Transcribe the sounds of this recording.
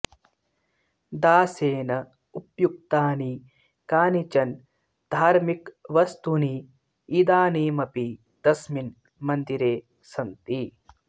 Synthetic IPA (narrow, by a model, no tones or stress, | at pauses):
d̪aːseːnɐ | upjuk̚t̪aːniː | kaːnit͡ʃɐn | d̪ʱaːɾmikʋɐst̪uniː | d̪aːniːmɐpi | d̪̥ɐsmin | mɐnd̪iɾeː | sɐnt̪i